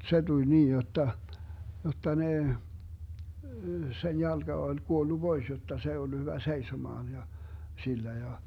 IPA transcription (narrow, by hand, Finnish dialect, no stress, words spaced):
se tulʲ niːn jotːɑ jotːɑ ne sen jɑlɡ̊ɑ ol kuolːu b̥ois jotːɑ s ei olːu hyʋæ seisomɑːn jɑ silːæ jɑ